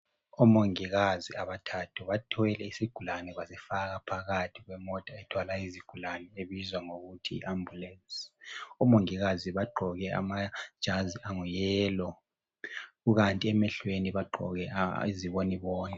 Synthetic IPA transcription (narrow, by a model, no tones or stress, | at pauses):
ɔmoŋiɣaziaβatʰatʰuβatʰɔɛlɛisiɡ̥ʱulanɛβasifaɣapʰaɣatʰiɣwɛmɔd̥ʼʱaɛtʰwalaiziɡ̥ʱulanɛeβizwaŋoɣutʰḭːʔambʱulɛnsʼiɔmoŋiɣaziβaɡ͡ǃʱɔɣɛa̰mad̥ʒ̥ʱaziʔaŋujɛːlɔ | ɣuɣantʼiɛmɛɬweniβaɡ͡ǃʱɔ̰ɣɛ̰iziβoniβɔːnɛ